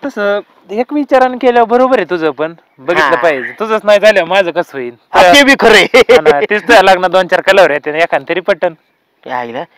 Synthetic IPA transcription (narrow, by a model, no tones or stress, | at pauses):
t̪əsə | ɦekʋit͡ɕaɾankeljabəɾobəɾet̪ud͡zəpəɳ | bəɡiːt̪ləpaɦid͡zt̪ud͡zəːt͡snajd͡zʱaljamad͡zəːkəsʋəiːnt̪ajkebʱiːkʰəɾəjnt̪it͡st̪ujalaɡnad̪ont͡ɕaɾkələʋɾjat̪enjakʰãnt̪əɾiːpəʈən | ɡla